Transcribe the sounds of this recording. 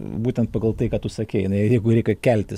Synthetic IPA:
buːt̪ʲɛnt̪̚pɐɡɐlˠt̪ɐɪkɑːt̪ʊsɐkʲɛɪɪnɐjɛɪɡʊɾʲɛɪkɐkʲælʲt̪ʲɪ

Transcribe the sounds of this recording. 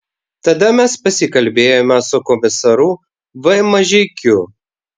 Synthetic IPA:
t̪ɐd̪ɐmʲɛspɐsʲɪkɐlʲbʲeːjɔmʲɛsʊkɔmʲɪsɐɾuː | ʋɐmɐʒʲɛkʲʊ

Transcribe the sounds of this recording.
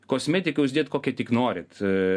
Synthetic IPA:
koːsʲmʲeːt̪ʲɪkɐɪʊzʲd̪ʲiɛt̪koːkʲɛt̪ʲɪknoːɾʲɪt̪

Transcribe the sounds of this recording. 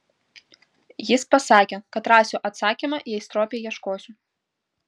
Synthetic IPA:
jispasakʲɛnkɐt̪ɾasʲuʔat̪sakʲɛmɐjɛjst̪ɾɔpʲɛjaʃkɔsʲu

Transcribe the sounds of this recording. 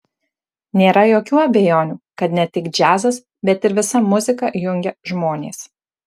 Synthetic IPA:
nʲeːɾɐjoːkʲuːɐbʲejoːnʲuːkɐt̪nʲɛt̪ʲɪkd͡ʒʲæːzɐs | bʲɛt̪ɪɾʋʲɪsɐmʊzʲɪkɐjʊŋʲɡʲɛʒmoːnʲḛːs

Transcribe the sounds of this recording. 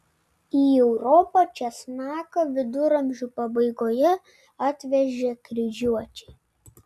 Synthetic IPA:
iːɛʊɾɔpɐt͡ʃʲɛsmɑːkɐʋʲɪd̪ʊɾɐmʲʒʲuːpɐbɐɪɡoːjɛ | aːt̪ʲʋʲɛʒʲekɾʲɪʒʲuɔt͡ʃʲɛ̥ɪ

